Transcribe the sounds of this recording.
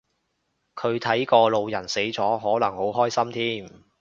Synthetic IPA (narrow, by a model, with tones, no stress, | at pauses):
kʰɵ˨˧ɥt̪ʰɐ˨˥jkɔː˧lo˨˧wjɐ˨˩nse˨˥jt͡sɔː˨˥ɦɔː˨˥lɐ˨˩ŋho˨˥wɦɔː˥jsɐ˥mt̪ʰiː˥m